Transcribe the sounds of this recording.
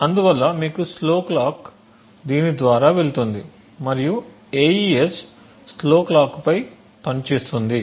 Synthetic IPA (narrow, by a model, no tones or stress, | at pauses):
ɐnd̪uʋɐlːɐmiːkusloːklaːk | d̪iːnid̪ʋaːɾaːʋe̞lut̪und̪i | mɐɾiju | eːjiesː | lo̞ːklaːkpɐj | pɐnt͡ʃe̞ːst̪und̪i